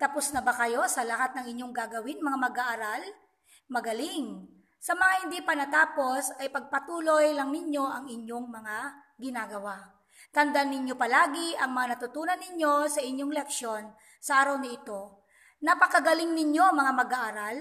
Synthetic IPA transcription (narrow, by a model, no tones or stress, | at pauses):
t̪ɐpʊsnɐbakɐjo̞sɐlɐɦat̪̚nɐŋɪɲjo̞ŋɡaːɡɐwɪnmɐŋamɐɡaʔaɾal | mɐɡɐlɪŋ | sɐmɐŋahɪnd̪ipɐnɐt̪aːpo̞sɐjpɐɡ̚pɐt̪uːlo̞jlɐŋnɪɲjo̞ʔɐŋɪɲjo̞ŋmɐŋa | ɡɪnaːɡɐwa | t̪ɐnd̪anːɪɲjo̞pɐlaːɡɪʔɐŋmɐŋanɐt̪ʊt̪uːnɐnːɪɲjo̞sɐʔɪɲjoŋlɛkʃo̞n | sɐʔaːɾɐwnɐʔɪt̪o̞ | nɐpɐkɐɡɐlɪŋnɪɲjo̞mɐŋamɐɡaːʔaɾal